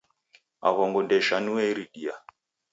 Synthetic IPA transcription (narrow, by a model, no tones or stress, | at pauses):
a̰ɣɔŋɡɔndɛʃanuɛiɾiɗia̰